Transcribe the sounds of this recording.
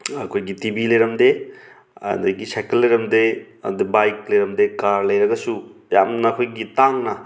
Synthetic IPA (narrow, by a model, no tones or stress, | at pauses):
ɐkʰojɡitibilɐjɾɐmde | ɐ̰d̪ɐɡisajkɐlːɐjɾɐmde | ɐ̰d̪ebajklɐjɾɐmdekaɾlɐjɾɐɡɐsuja̰mnɐːkʰojɡitaŋnɐ